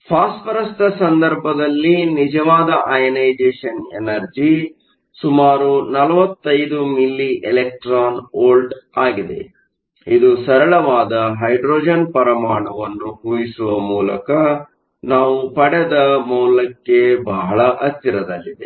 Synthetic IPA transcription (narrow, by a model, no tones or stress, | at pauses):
pʰaːsʈpɐɾɐst̪ɐsɐnd̪ɐɾbʱɐd̪ɐlːinid͡ʒɐʋaːd̪ɐʔajɐnɐjd͡ʒeːʂɐnḛnɐɾd͡ʒi | sumaːɾunɐlɐʋɐt̪ːɐjd̪umilːiʔelek̚ʈɾaːnoːlɖaːɡid̪e̞̰ | id̪usɐɾɐɭɐʋaːd̪ɐɦɐjɖɾoːd͡ʒɐnpɐɾɐmaːɳɐʋɐnːuɦuːjisuʋɐmuːlɐ̰kɐ | naːʋupɐɽed̪ɐmɐːlɐkːe̞bɐɦɐɭɐʔɐt̪ːiɾɐd̪ɐlːid̪e